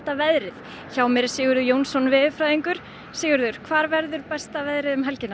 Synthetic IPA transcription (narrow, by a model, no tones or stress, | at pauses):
t̪avɛðɾɪð | çaːwmɛɾsɪːɣʏɾðʏjoːwnsɔnvɪːðɪfɾajðiŋkʏɾ̥ | siːɣʏɾðʏɾ̥kʰvaːɾvɛɾðʏɾpɛst̪avɛðɾɪðʏmɦɛlcɪnːa